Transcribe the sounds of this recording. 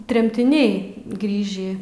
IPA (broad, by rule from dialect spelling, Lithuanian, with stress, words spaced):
tʲrʲɛmʲtʲɪˈnʲɛɪ ˈɡrʲiːʒʲiː